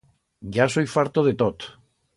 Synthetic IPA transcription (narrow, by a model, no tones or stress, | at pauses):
ɟ͡ʝasojfaɾt̪oð̞et̪ot̪